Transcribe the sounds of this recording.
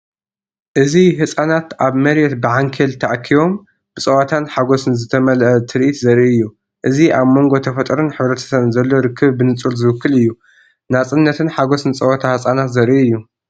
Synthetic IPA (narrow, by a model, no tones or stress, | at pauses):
ʔɨziɦɨsʼanat̪ʔaβmɐɾjɛt̪bɨʕaŋkʰelt̪ʰaʔkʰːiβo̞m | b̥ɨt͡sʼɐwat̪ʰanħaɡo̞sɨnzɨt̪ʰɐmɐlʔɐt̪ʰɨɾʔit̪zɐɾʔiɨjːu | ʔɨziʔaβmo̞ŋɡo̞t̪ʰɐfɐt̪ʼɾunħɨβɾɐt̪ʰɐ̥sɐβɨnzɐlːo̞ɾɨkʰːɨβbɨnɨt͡sʼulzɨwɨkʰːɨlɨjːu | nat͡sʼɨnːɐt̪ʰɨnħaɡo̞sɨnt͡sʼɐwat̪ʰahɨsʼanat̪zɐɾʔiɨjːu